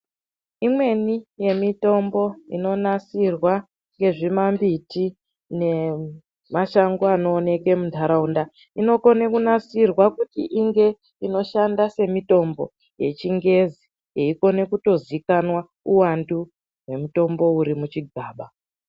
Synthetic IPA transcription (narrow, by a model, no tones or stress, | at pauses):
imwe̞nije̞mito̞mbo̞ḭno̞nat͡sirwa | ŋɡe̞ʐimambiti | ne̞ | maʃaŋɡoano̞ːne̞ke̞mundʱaɾaunda | ino̞ko̞nekunat͡sirwakutḭʔiŋɡe̞ | ino̞ʃandase̞mito̞mbo̞̰ | je̞̰t͡ʃiŋɡe̞zi | jeiko̞ne̞kuto̞zikanwa | uwandu | we̞muto̞mbo̞uɾimut͡ʃiɡʱaːɓa